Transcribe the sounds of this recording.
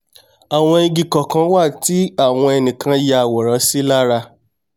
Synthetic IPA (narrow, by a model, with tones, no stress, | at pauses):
a˨w̃ɔ̃˧i˧ɡi˨kɔ˨kã˨˦wa˦˨ti˦a˦˨w̃ɔ̃˧ɛ˧nĩ˨kʰã˧ja˧˨wɔ˨ɾɔ˨˦si˦la˦ɾa˧